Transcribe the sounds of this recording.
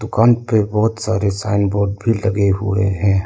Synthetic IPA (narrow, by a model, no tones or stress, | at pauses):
d̪ʊkaːnpebɔːʊt̪saːɾesaːɪnboːɾɖ̚bʱilɐɡeɦʊ̰ḛɦɛ̃ː